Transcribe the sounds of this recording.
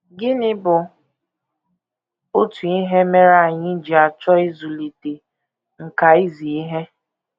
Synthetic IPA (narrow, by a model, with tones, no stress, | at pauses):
ɡɪ˦nɪ˦bʊ˨ | o˦tu˨i˦ɦe˦me˦ɾa˦˨ɲɪ˦d͡ʒi˨a˨t͡ʃɔ˦i˦zu˨li˨te˨ | ŋ̩˨ka˨i˦zi˨i˦ɦe˦